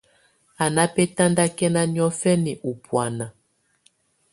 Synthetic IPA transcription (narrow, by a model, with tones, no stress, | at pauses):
a˨na˦pɛ˦ta˦nda˦kɛ˦na˦njɔ˦fɛ˦ni˨ʔu˨pwa˨na˨